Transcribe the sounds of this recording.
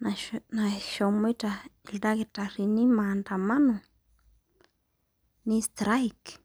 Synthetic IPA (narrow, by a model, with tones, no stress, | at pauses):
nana˨ʃo˨mi˦ʈ͡ʂa˨i˨ld̪a˦ki˨ʈ͡ʂa˨ri˧ni˦ma˨nd̪a˨ma˦no˨ | ni˦st̪ɾa˦jk